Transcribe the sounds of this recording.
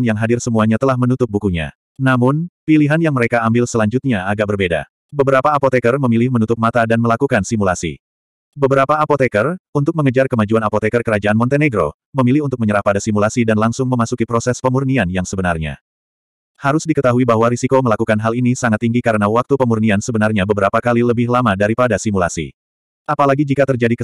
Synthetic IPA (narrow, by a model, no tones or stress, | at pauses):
njaŋɦadɪrsəmuaɲat̪əlahmənut̪ʊp̚bukuɲa̰ | namʊnpiliɦanjaŋməɾekaːmbɪlsəlaɲd͡ʒʊt̪̚ɲaaɡaʔ̚bərbeda̰ | bəbəɾapaːpot̪ekərməmilɪhmənut̪ʊp̚mat̪adanməlakukansimulasḭ | bəbəɾapaːpot̪ekərunt̪ʊk̚məŋəd͡ʒarkəmad͡ʒuanapot̪ekərkəɾad͡ʒaʔanmɔnt̪eneɡɾo̰ | məmilɪhunt̪ʊk̚məɲəɾahpadasimulasidanlaŋsʊŋməmasukipɾosɛspəmurnianjaŋsəbənarɲa̰ | haɾʊsdikət̪aɦuibaɦwaɾisikoməlakukanɦalinisaŋat̪ːiŋɡikaɾənawak̚t̪upəmurniansəbənarɲabəbəɾapakaliləbɪhlamadaɾipadasimulasḭ | ʔapalaɡid͡ʒikat̪ərd͡ʒadikə